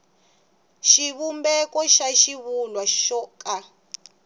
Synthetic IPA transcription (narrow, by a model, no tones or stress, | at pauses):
ʃiβumbɛkɔʃaʃiβulwaʃɔkʼa